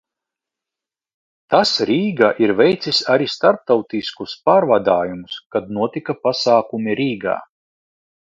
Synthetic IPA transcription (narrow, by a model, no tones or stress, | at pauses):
t̪asɾiːɡaʔiɾvʲɛjt̪sisaɾist̪aɾp̚t̪awt̪iskuspaːɾvad̪aːjumuskad̪nuɔt̪ikapasaːkumʲiɾiːɡa̰ː